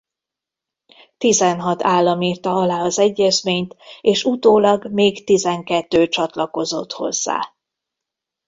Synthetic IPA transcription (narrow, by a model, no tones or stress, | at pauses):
t̪izɛnɦɒt̪aːlːɒmiːrt̪ɒɒlaːɒzɛɟːɛzmeːɲt̪eːʃut̪oːlɒɡmeːɡt̪izɛŋkɛt̪ːøːt͡ʃɒt̪lɒko̞zo̞t̪ho̞̰zːa̰ː